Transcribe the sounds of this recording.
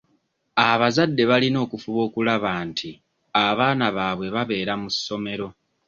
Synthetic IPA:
aβazadːe̞βalino̞ːkufuβo̞ːkulaβaːntʰi | aβaːnaβaːβwe̞βaβe̞ːɾamusːo̞me̞ɾo̞

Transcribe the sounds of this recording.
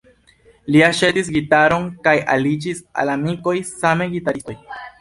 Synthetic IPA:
liaʃetis̬ɡitaɾo̞nkaja̰lid͡ʒisa̰lamiko̞jsame̞ɡitaɾistoj

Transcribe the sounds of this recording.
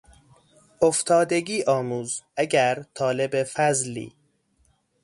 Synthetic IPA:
ʔoft̪ʰɒːd̪eɡiːʔɒːmuːzæɟæɾt̪ʰɒːle̞befæzlḭː

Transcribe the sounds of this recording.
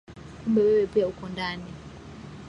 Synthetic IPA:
kumbɛwɛwɛpiaukɔndani

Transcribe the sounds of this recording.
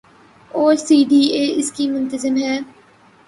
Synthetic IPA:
oːɾsiːɖiːeːɪskimʊ̃nt̪əzəmɦɛː

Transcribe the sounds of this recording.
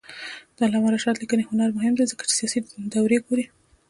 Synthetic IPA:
d̪̥əlɑmaɾaʃɑt̪likənehʊnaɾmʊɦɪmd̪ezəkḁt͡ʃe̥sijɑsid̪awɾeɡoɾi

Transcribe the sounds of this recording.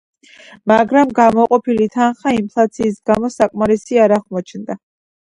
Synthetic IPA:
maɡɾamɡamɔqʼɔpʰilit̪ʰanχaimpʰlˠat̪sʰiːsɡamɔsakʼmaɾɛsiaɾaʁmɔt͡ʃʰnd̪a

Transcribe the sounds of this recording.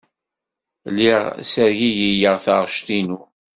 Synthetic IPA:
liʁsəɾʝijijəʁθəʁʃt̪inu

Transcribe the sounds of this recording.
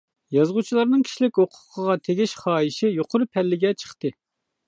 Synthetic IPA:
jɑzʁut͡ʃʰilˠɑɾnɨŋkʲʰi̥ʃlɪkʲhoqʰʊ̥qʰəʁɑt̪ʰeɡʲiʃχɑːjiʃɪjoqʰʊɾɨpʰɛlːɪɡʲɛt͡ʃʰə̥χt̪ɨ

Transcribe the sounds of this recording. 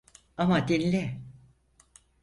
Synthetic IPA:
amad̪enilʲɛ

